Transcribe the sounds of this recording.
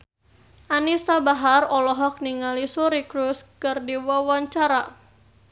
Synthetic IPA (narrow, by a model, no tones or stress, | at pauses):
ʔanist̪abaɦarɔlɔɦɔk̚niŋalisuɾikɾuskərdiwawaɲt͡ʃaɾa